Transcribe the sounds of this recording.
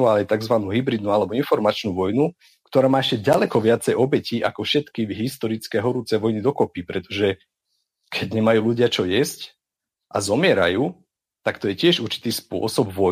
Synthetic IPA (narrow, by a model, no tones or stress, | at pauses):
ualɛjt̪aɡzʋanuːɦibɾid̪nualɛbɔinfɔɾmat͡ʃnuːʋɔjnu | kt̪ɔɾaːmaːɛʃcɛɟalɛkɔʋɪat͡sɛjʔɔbɛciːʔa̰kɔfʃɛt̪kivɦist̪ɔɾit͡skɛɦɔɾuːt͡sɛʋɔjnid̪ɔkɔpipɾɛt̪ɔ̥ʒɛ | kʰɛɟɲɛmajuːluɟɪat͡ʃɔjɛsc | ʔa̰zɔmɪɛɾa̰juː | t̪akt̪ɔjɛcɪɛʒuɾt͡ʃi̥t̪iːspʊɔ̰sɔbʋɔ